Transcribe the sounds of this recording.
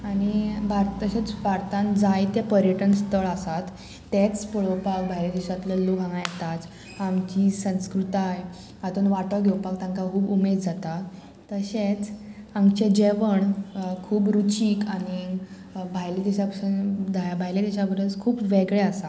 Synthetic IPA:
aɽ̃ibʱaɾt̪əɕet͡sbʱaɾt̪ãnd͡zajt̪japəɾjəʈənst̪ʰəɭasat̪ː | et͡spəɭəwpak̚bʱajled̪iɕat̪ləluɡʱãŋɡajet̪at͡s | amt͡ɕisə̃skɾut̪aj | at̪onʋaʈəɡʱewpak̚t̪ãŋkakʰuːbumed̪d͡zat̪a | t̪əɕet͡samɡt͡ɕed͡ʑeʋəɳkʰuːbɾut͡ɕiːkaɽ̃i | bʱajlid̪iɕapsənd̪ajabʱajled̪iɕabəɾət͡skʰuːpʋeɡɭeasa

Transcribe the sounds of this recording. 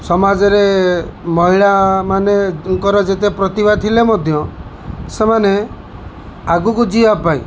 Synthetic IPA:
sɔmad͡ʒɔɾemɔɦiɭamanekɔɾɔd͡ʒet̪epɾɔt̪ibad̪̚t̪ʰilemɔd̪ʱjɔ | semane | aɡukud͡ʒiapaĩ

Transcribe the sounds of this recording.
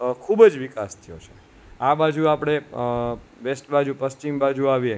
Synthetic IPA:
kʰubəd͡ʒʋikast̪ʰijo̰t͡ʃʰe̥ | abad͡ʒuapɽ̃e | ʋesʈbad͡ʒupəst͡ʃimbad͡ʒuaʋje

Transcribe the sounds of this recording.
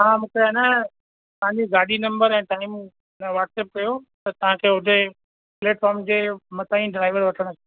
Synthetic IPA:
ãmʊ̃kɾana | t̪ɐɦãɲd͡ʑoɡaːɗinɐ̃mbəɾɛ̃ːʈ̪aːim | nʋaːʈseːp̚kɐjot̪ɐt̪ɐʋ̤ãkʰeːɦʊdʱe | pleːʈfaːɾmd͡ʑemɐt̪aːĩɖɪɾaːɪʋəɾʋɐʈʰəɽ̃kʰ

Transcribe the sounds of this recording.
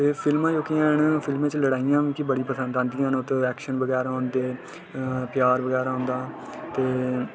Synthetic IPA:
t̪eːpʰɪlmãːjoːkijãːɪɳpʰɪlmẽːt͡ʃləɽaːɪjãːʋĩːkibəɽiːpəsənd̪ãːnd̪ijãːnot̪ːɛːkʃənbəɡɛːɾaːɦõnd̪eː | pjaːɾbəɡɛːɾaːɦõːnd̪aː | t̪eː

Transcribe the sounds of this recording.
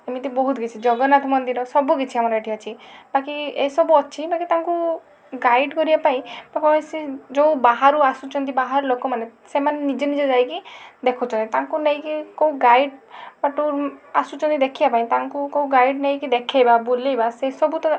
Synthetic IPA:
emit̪ibɔɦut̪ɡit͡ʃʰid͡ʒɔɡɔnat̪ʰmɔnd̪iɾɔsɔbukit͡ʃʰiamɔɾɔeʈʰiat͡ʃʰibakiesɔbuɔt͡ʃʰibakit̪ãŋku | ɡajɖkɔɾiapaĩbapɔmesid͡ʒõbaɦaɾuasut͡ʃʰɔnt̪̬ibaɦaɾulokɔmanesemanenid͡ʒenid͡ʒed͡ʒajkid̪ekʰɔt͡ʃʰɔ̃nt̪it̪aŋkunej̃kikoũɡajɖpaʈuɾasut͡ʃʰɔnt̪id̪ekʰibapaĩt̪aŋkukoũɡajɖnej̃kid̪ekʰajbabulejbasesɔbut̪ɔ

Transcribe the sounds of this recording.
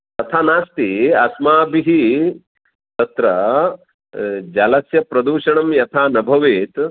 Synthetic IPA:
t̪ɐt̪ʰaːnaːst̪iɐsmaːbiɦi | t̪ɐt̪ɾɐ | d͡ʒɐlɐsjɐpɾɐd̪uːʃɐɳɐmjɐt̪ʰaːnɐbʱɐʋeːt̪

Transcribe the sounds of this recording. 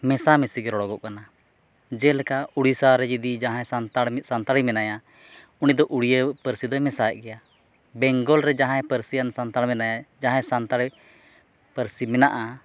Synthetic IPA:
mɛsamɛsiɡɛɾɔɽɔɡɔʔkana | d͡ʒɛlɛkauɽisaɾɛd͡ʒid̪id͡ʒaɦãsant̪asant̪aɽimɛnaja | unid̪ɔʔuɽijəpəɾsid̪ɔmɛsaɛʔɡɛja | bɛŋɡɔlɾɛd͡ʒaɦãɛpəɾsiansant̪aɽmɛnajad͡ʒaɦãjsant̪aɽi | pəɾsimɛnaʔa

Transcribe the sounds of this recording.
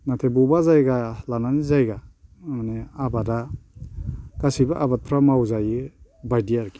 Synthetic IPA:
natʰebubazajɡalananizajɡamaneabada | kasibaʔabat̚pʰɾamawzajibajdiaɾki

